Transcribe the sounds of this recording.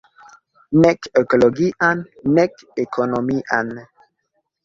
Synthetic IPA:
nɛkekoloɡiʔanː | ɛk | ekʰonomiʔa̰n

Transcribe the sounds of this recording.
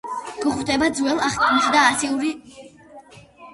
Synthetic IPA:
ɡ̥ɔχwt̪ʰʼɛbad̪zwɛlˠaχk̪ʼumʃid̪aːsiuɾi

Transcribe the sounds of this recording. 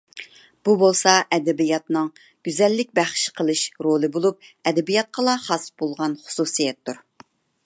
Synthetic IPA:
b̥ubolˠsɑʔɛd̪ɛbijɑt̪nɨŋ | ɡ̥ʲyzɛlːɪkʲbæχʃqʰəlˠɨʃɾolˠɨbolˠup̚ɛd̪ɛbijɑt̪̚qʰɑlˠɑχɑsb̥olˠʁɑnχʊ̥susijɛt̪ʰːuɾ

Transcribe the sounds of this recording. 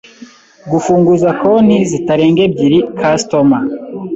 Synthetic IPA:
ɡufuːŋɡuzakon̥izitaɾe̞ːŋɡe̞b̚ɟiɾikʰastoma

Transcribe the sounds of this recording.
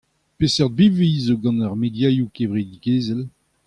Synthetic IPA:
pesɛʁd̪̚biveizoɡɑ̃naʁmed̪jajukevʁed̪iɡeːzɛl

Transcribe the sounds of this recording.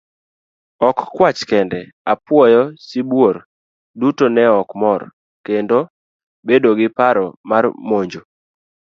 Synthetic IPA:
ɔkːwat͡ʃkɛndɛ | apwɔjɔsibwor | dutonɛɔkmɔr | kendo | bedoɡɪpaɾɔmarmoɲd͡ʒo

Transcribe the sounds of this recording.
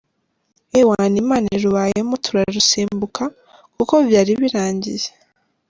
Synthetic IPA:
ewanimaːneɾuβaːjemotʰuɾaɾusiːmbukʰa | kuko̞vjaːɾiβiɾaːɲɟḭze̥

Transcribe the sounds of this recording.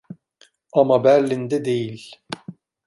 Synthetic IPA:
ɑmɑbæɾlːind̪ɛd̪ejilʲ

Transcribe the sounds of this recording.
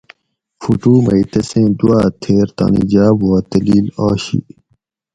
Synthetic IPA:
fuʈuːmɐit̪ɐsẽːd̪uaːt̪ʰeːɾt̪a̰ːnḭd͡ʑaːboːt̪ɐliːlaːɕḭ

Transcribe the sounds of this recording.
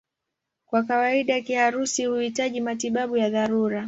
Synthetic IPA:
kwakawaiɗakihaɾusihuhitaʄimatiɓaɓujaðaɾuɾa

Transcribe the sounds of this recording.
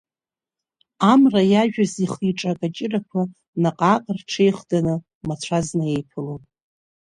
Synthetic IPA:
amrajaʒᶣaziχiʈ͡ʂʼakʼat͡ʃʼɪrakʷʰa | naqʼaːqʼərʈ͡ʂʰejχdanɨ | mat͡ɕʷʰaznɨe̞jpʰɨlopʼ

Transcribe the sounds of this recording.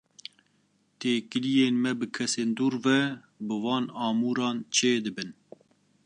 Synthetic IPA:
t̪eːkɨlijeːnmɛbɨkʰɛseːnd̪uːɾvɛ | bɨvɑːnɑːmuːɾɑːnt͡ʃʰeːd̪ɨbɨn

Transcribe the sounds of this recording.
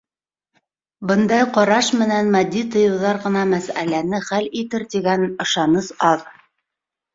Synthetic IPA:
bɤ̆nd̪ɑjqɑɾɑʃmɘ̆nænmæd̪ːit̪ŏjɤ̆wðɑɾʁɤ̆nɑmæsæ̰lænɘχælit̪ɘɾt̪iɡænɤ̆ʃɑnɤsɑð

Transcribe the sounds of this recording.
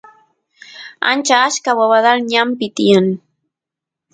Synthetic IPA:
a̰nt͡ʃaːʃkawaβaðalɲampɪt̪ɪjaŋ

